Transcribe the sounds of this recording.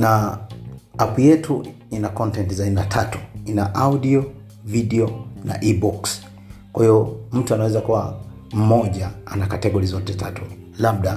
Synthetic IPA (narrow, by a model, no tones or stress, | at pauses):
na | apjɛtʰu | inakɔntɛntzainatʰatu̥inaʔaudiɔ | vidɛɔna̰ʔibuks | kwahiɔm̩tuanawɛzakuwa | m̩mɔʄaanakatɛɡɔɾizɔtɛtatu | lab̚ɗa